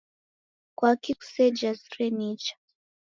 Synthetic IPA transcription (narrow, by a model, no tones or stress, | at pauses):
kwakiku̥sɛd͡ʒasɾɛnit͡ʃḁ